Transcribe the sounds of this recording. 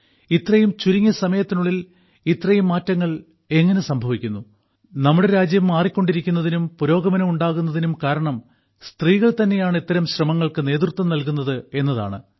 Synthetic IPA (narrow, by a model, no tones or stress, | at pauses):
it̪ːrɐjumt͡ɕuɾiŋːɐsɐmɐjɐt̪ːinuɭːil | it̪ːrɐjumːaːtːɐŋːɐɭ | e̞ŋːɐne̞sɐmbʱɐʋikʲːunːu | nɐmːuɽeɾaːd͡ʑjɐmːaːrikʲːo̞ɳɖiɾikʲːunːɐðinumpuɾo̞ːɡɐmɐnɐmuɳɖaːɣunːɐðinumkaːɾɐɳɐm | st̪riːɣɐɭt̪ɐnːe̞jaːɳet̪ːɐɾɐmɕrɐmɐŋːɐɭkɨne̞ːd̪rt̪ːɐmnɐlkunːɐðɨe̞nːɐða̰ːɳɨ